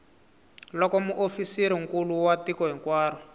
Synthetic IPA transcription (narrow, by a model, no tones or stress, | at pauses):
lɔkɔmuʔofisiɾiŋ̩kuluwatikɔɦiŋkwaːrɔ